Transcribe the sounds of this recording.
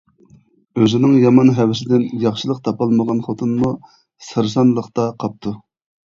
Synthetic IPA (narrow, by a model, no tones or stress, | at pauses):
øzɪnɪŋjɑmɑnɦɛwɪsɪd̪ɪnjɑχʃɨlˠəq̚t̪ʰɑpɑlˠməʁɑnχot̪ʰunmu | sɨɾs̬ɑnlˠəqt̪ɑqʰɑp̚t̪ʰu